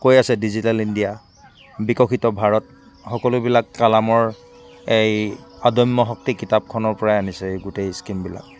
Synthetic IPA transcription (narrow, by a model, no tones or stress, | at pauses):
kojasɛdizitalindija | bikɔxʰitɔbʱaɹɔt | xɔkɔlʊbilakːalamɔɹ | ejadɔjmːɔɦɔk̚tikitap̚kʰɔnɔɹpɔɹajanisɛɡutejskimbila̰k̚